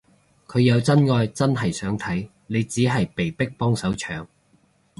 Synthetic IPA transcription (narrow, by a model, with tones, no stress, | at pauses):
kʰɵ˨˧ɥjɐ˨˧wt͡sɐ˥nŋɔː˧jt͡sɐ˥nɦɐ˨˩jsœː˨˥ŋt̪ʰɐ˨˥j | ne˨˧jt͡siː˨˥ɦɐ˨jpe˨˩jpɪ˥k̚pɔː˥ŋsɐ˨˥wt͡ʃʰœː˨˧ŋ